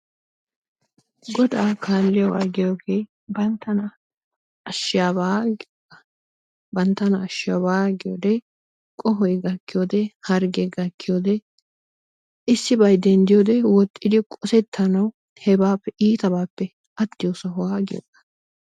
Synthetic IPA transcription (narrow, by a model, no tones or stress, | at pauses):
ɡɔd̪aːkʰaːlːɪjɐwaːɡɪjoːɡeː | bɐnt̪ːɐnɐ | ɐʃːɪjaːbaːɡ | ɐ | bɐnt̪ːɐnɐːʃɪjɐbaːɡɪjo̰ːd̪ɛ | kʼɔɦɔjɡɐkːɪjoːd̪ɛhɐɾɡɛɡɐkːɪjoːd̪ɛ | ɪsːɪbɐjd̪ɛnd̪ɪjoːd̪ɛwɔt̪ʼːɪd̪ɪkʼɔsɛt̪ʰːɐnɐw | hɛbaːpːɛʔiːt̪ɐbaːpːɛ | ʔɐt̪ːɪjosɐɦʊwaːɡɪjo̰ːʔɐ̥